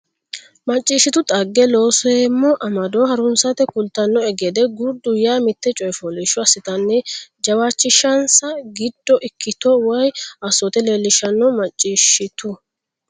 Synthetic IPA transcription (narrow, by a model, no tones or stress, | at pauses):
mɐt͡ʃʼːiːʃːɪt̪ʊt̪ʼɐɡːɛlo̞ːsɔjemːɔʔɐmɐd̪oːhɐɾʊnsɐt̪ɛkʊlt̪ːɐnːɔɛɡeːd̪ɛɡʊd̪ʊjaːmɪt̪ːɛt͡ʃʼɔjfɔliʃɔɐsɪt̪ɐnːɛd͡ʒɐwaːt͡ʃːɪʃɐnsɐɡɪd̪ːɔʔɪkːɪt̪ɔwɔjɐsɔt̪ɛle̞ːlːɪʃɐnːɔmɐt͡ʃʼːiːʃɪt̪ʊ